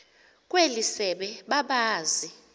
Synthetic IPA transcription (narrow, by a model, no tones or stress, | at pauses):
kʼwelisɛɓɛɓaɓaːzi